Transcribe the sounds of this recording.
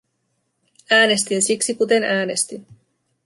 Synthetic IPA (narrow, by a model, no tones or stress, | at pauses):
æːne̞st̪insiksikut̪e̞næːne̞st̪in